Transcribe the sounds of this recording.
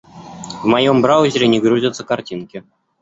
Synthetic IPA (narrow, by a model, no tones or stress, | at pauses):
vmɑjombrɑʑʲɾʲenʲiɡɾuzʲɪt̪sɤ̆kartʲinkʲɪ̆